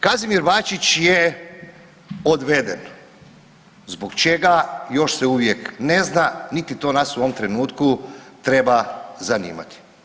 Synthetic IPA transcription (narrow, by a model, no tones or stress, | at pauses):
kazimiɾbaːt͡ʃit͡ɕje | od̪ʋe̞d̪ḛn | zbokt͡ʃe̞ɡajo̞ʃseuʋjekne̞znanit̪it̪o̞ːnasuoʋomt̪ɾe̞nuːt̪kut̪ɾe̞bazanḭːma̰t̪i̥